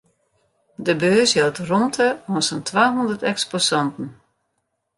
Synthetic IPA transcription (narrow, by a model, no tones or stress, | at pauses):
dəbøːsjɛlˠtrɔmtʰəɔnsəntʰʋaːɦundətɛksposɔntn̩